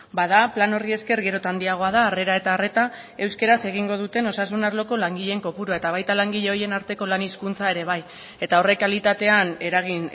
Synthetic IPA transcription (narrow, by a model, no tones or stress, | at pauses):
bað̞aplano̞rie̞ske̞ɾɣe̞ɾo̞t̪and̪iaɣ̞o̞aðaːre̞ɾae̞t̪aːre̞t̪a | e̞wske̞ɾase̞ɣ̞iŋɡo̞ð̞ut̪e̞no̞sasunaɾlo̞ko̞laŋɡiʎe̞ŋko̞puɾuae̞t̪aβ̞ajt̪alaŋɡiʎe̞o̞je̞naɾt̪e̞ko̞laniskunt͡sae̞ɾe̞β̞aj | e̞t̪ao̞re̞kalit̪at̪e̞ane̞ɾaɣ̞in